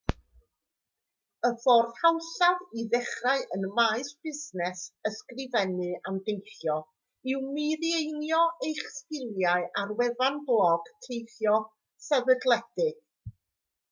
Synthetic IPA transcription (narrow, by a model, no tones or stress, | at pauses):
əfɔrð̥hawɬaðiðɛχraɨʔənmaɨsb̥ɪsnɛsəskrɪvɛnɨamdejθjɔ | ɪwmɨðiejnjɔejχstɪlˠjaɨʔarwɛðanblˠɔɡ̥tʰejθjɔ | sɛvədlˠɛdɨɡ̥